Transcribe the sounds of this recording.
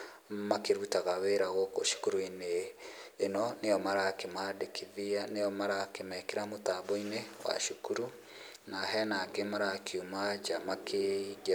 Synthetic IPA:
makeɾutaɣaβeɾaɣokoʃi̥kuɾuineː | nɔnejɔmaɾakemadekiðianejɔmaɾakemɛkeɾamotaβoinewa̰ʃukuɾu | naɦɛnakemaɾakiumad͡ʒamakʰeɡ

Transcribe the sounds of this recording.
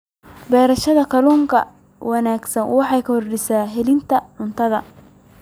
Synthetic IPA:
bɛːɾɐʃɐðɐkʰɐluːŋkʰɐ̰ | wɑnaːɡsɐnwɑħɑjkʰɐɔhɔrɖɪsaːɦɛlɪnt̪ʰɐʕʊnt̪ʰɐðɐ

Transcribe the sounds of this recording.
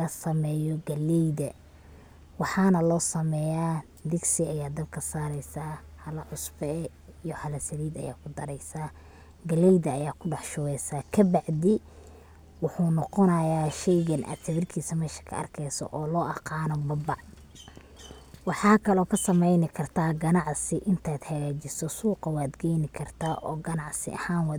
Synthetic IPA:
ɐsɐmɛːjɔɡɐlɛjðɐ | wɑħɑːnɐlɔːsɐmɛːjaː | d̪ɪɡsɪʔɐjaːd̪ɐbkʰɐsaːɾɛjsaːhɐlɐʕʊsbɛɛ | ijɔhɐlɐsɐðiːd̪ɐ̰ja̰ːkʰʊd̪ɐɾɛjsaː | ɡɐlɛjdɐːjaːkʰʊɖɑħʃʊwɛsaːkʰɐbɑʕd̪ɪ | wʊħuːnɔqɔnɐjaːʃɛjɣɐnʔa̰ːd̪sɐβɪrkʰiːsɐmɛːʃɐ̥kʰɐ̰ɐ̰rkʰɛjsɔ̰ʔɔːlɔːʔɑqɑːnɔbɐbɑʕ | wɑħɑːkʰɐlɔːkʰɐsɐmɛjnɪkʰɐrt̪ʰaːɡɐnɑʕsɪʔɪnt̪ʰaːd̪hɐɣaːt͡ʃɪsɔsuːqɑwaːd̪ɡɛjnɪkʰɐrt̪ʰaːʔɔːɡɐnɑʕsɪ̰ʔɐ̰haːnwɑ

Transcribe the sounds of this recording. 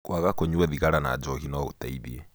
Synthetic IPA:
kwaɣakoɲuɛðiɣaɾana̰d͡ʒɔɣinɔɣotɛiðie

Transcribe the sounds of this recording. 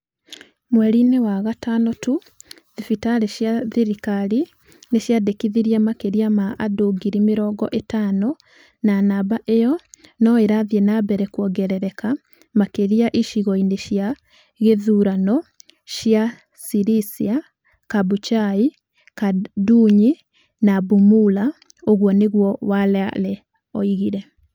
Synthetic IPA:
mwɛɾinewaɣatanotu | ðifitaleʃjaðiɾikali | neʃjadekiðiɾiamakeɾiamaʔːdoɡiɾimiɾɔːɡɔ̰ʔetaːno | nanaβaʔejɔnɔeɾaðjɛnabɛɾɛkwɔɡɛɾɛɾɛka | makeɾiaʔiʃiɣɔineɕja | ɣeðuɾanɔ | ɕja | siɾisia | kabut͡ʃai | kaduɲi | nabumula | oɣwɔneɣwɔwalɛa̰lɛ | ɔiɣiɾɛ

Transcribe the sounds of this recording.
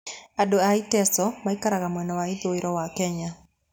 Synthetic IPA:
adoaitɛsɔmaikaɾaɣamwɛnawaiðoeɾɔwakɛɲa

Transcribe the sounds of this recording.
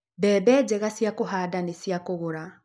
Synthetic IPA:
bɛːbɛːd͡ʑɛɣasjakoɦaːdanesjakoɣoɾa

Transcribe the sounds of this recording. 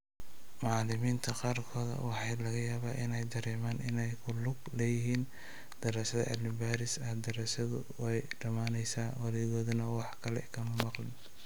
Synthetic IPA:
mɑʕɑːlɪmiːnt̪ʰɐqaːrkʰɔːðɐ̰wɑħɑlɐɣɐjaːβaːʔɪnɛjd̪ɐɾiːmaːnʔɪnɛjkʰʊlʊɡlɛːjɪɦiːn | d̪̥ɐɾaʃɐðɐ̰ʔɛlɪbaːɾɪsɐhd̪ɐɾɐʃɐðʊ̰ | ɛjɖɐmaːnɛjsaːwɑlɪɣɔːðɐnɐwɑħkʰɐlɛ̰kʰɐmɐmɑqlɪn

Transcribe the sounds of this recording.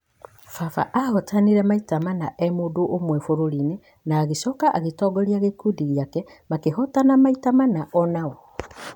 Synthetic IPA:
fafa̰ʔahɔtaniɾɛmaitamanaʔɛmodoʔːmwɛfoɾoɾine | naːɣesɔːkaʔaɣetɔːɡɔɾiaɣekudiɣjakɛmakeɦɔtanamaitamanaʔɔnaɣɔ

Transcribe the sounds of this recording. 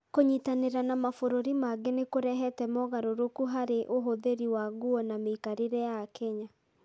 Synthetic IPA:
koɲitaneɾanamafoɾoɾimaɡenekoɾɛɦɛtɛmɔɣaɾoɾokuɦaɾeʔoɦoðeɾiwaɣuɔnameikaɾeɾɛjaakɛɲa

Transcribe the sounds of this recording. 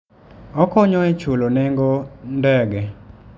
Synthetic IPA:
ɔkɔɲɔɛt͡ʃolonɛŋɡondɛɡɛ

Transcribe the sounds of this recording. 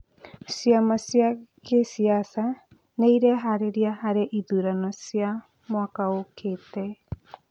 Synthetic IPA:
siamasiakesiasa | nejɾɛaɦaɾeɾiahaɾeʔiðuɾanɔsia | moakaokʰeːtɛ

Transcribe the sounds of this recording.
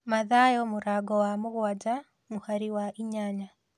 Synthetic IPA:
maðajɔmoɾaɡɔwamoɣwad͡ʒa | mohaɾiwaʔiɲaɲa

